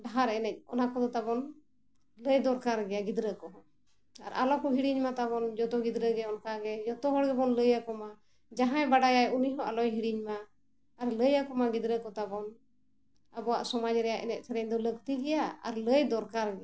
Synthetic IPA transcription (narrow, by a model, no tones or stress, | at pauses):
ɖaɦaɾɛnɛc̚ɔ̰nakɔd̪ɔt̪abɔn | ləjd̪ɔɾkaɾɡɛjaɡid̪ɾəkɔɦɔ | a̰ɾʔa̰lɔkɔɦiɽiɲmat̪aβɔnd͡ʒɔt̪ɔɡid̪ɾəɡɛɔnkaɡɛd͡ʒɔt̪ɔɦɔɽɡɛbɔnləjakɔma | d͡ʒaɦãjbaɖajajuniɦɔʔalɔjɦiɽiɲmaː | ɾləjakɔmaɡid̪ɾəkɔt̪abɔn | əbɔwa̰ʔsɔmad͡ʒɾɛjaʔɛ̰nɛc̪̚sɛɾɛɲd̪ɔləɡt̪iɡɛjaa̰ɾləjd̪ɔɾkaɾɡɛa